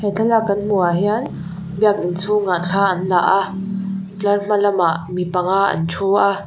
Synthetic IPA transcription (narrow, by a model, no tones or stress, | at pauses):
hɛt͡ɬʰalakːɐnm̥uaɦian | biɐk̚ʔɪnt͡sʰuŋat̚kʰaːʔɐnla̰ʔa | t͡ɬɐrm̥alɐmaʔmipɐŋaʔɐ̰nt͡ʃʰua